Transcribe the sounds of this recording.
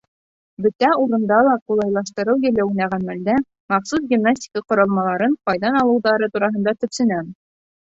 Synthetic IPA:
bɵ̆t̪æuɾɤ̆nd̪ɑlˠɑqulˠɑjlˠɑʃt̪ɤ̆ɾɤwjɘ̆lːæw̆næʁænmæld̪æ | mɑqsusɡʲimnasʲtʲi̥kɑqŏɾɑlˠmɑlˠɑɾɤɴqɑjðɑnɑlˠɤ̆wðɑɾɤt̪uɾɑɦɤ̆nd̪ɑt̪ɵ̆psɘ̆næm

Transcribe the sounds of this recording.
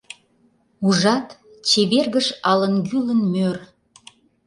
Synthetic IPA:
uʒɑt̪ | t͡ɕeβerɣəʃɑlənɡylənmør

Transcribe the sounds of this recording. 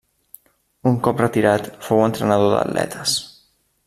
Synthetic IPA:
uŋkɔp̚rət̪iɾat̪fowənt̪ɾənəð̞oðə̰d̪lʔɛ̰t̪əs

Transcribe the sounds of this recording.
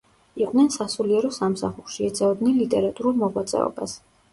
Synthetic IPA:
iqʼnɛnsasuliɛɾɔsamsaχuɾʃiɛt̪sʰɛɔd̪nɛnlit̪ʼɛɾat̪ʼuɾulˠmɔʁwat̪sʼɛ̰ɔ̰ba̰s

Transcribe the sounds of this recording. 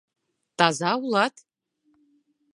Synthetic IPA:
tʰazawlˠatʰʼ

